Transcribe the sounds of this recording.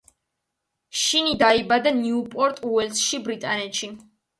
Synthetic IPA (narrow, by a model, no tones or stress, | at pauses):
ʃinid̪aibad̪aniupʼɔɾt̪ʼuɛlsʃibɾit̪ʼanɛt̪ʃi